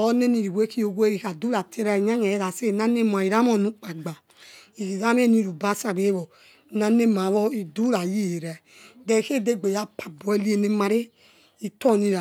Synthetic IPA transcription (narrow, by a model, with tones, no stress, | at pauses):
o˦ne˦ni˨ɾi˨wʷe˦ki˦o˨ɡe˦ɾi˨ka˨du˦ɾa˨tʰe˦ɾa˦i˨ɲa˦ɲ˨a˨je˦ɾa˨se˦˨na˦ne˦m˨a˨i˨ɾa˦mo˦˨nũ˦k͡pa˨ɡ͡ba˨ | i˨ki˨za˦m˦e˦nĩ˦ɾu˨ba˦sa˨be˦βo˨ | na˨ne˦m˨a˨βo˦i˨du˦ɾa˨ji˦˨e˨ɾɛ˨ | dɛ˨ke˦˨de˦˨ɡ͡be˨ja˦pʰa˨bu˨˦e˦li˦e˨ne˦ma˨ɾe˦ | i˨to˦˨ni˦ɾa˨